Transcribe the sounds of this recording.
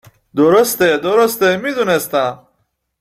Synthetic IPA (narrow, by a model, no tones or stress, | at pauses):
d̪oɾost̪ed̪oɾost̪emizunest̪ã